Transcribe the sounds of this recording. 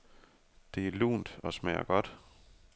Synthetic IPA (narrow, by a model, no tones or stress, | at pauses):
d̥e̝ælṵːnd̥ɒ̽smɛ̰ːɐ̰ɡ̥ɒ̽d̥